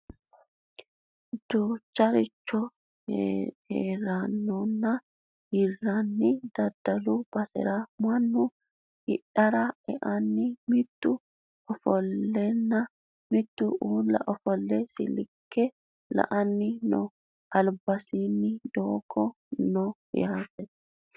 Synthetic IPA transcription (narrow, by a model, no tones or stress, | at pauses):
d̪̥ut͡ʃːɐɾɪt͡ʃːɔ | eːɾɐnːɔnːɐ | hɪrːɐnːɪd̪ɐd̪ɐlʊb̥ɐsɪ̰ɾɐmɐnːʊ | ɪɗɐɾɐɛʔɐnːɪmɪt̪ːʊ | ɔfɔlːɛnːɐ | mɪt̪ːʊʔuːlːɐʔɔfɔlːɛsɪ̰lɪkʰːɛ | lɐ̰ʔɐnːɪnɔ̰ | ɐlbɐsinːɪd̪oːkʰːɔ | nɔ | jaːt̪ɛs